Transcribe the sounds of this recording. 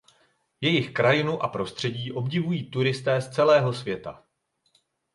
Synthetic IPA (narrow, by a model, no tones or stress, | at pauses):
jɛjɪxkɾajɪnuʔapɾo̞st̪r̝̥ɛɟiːʔo̞bɟɪvujiːt̪uɾɪst̪ɛːst͡sɛlɛːɦo̞svjɛt̪a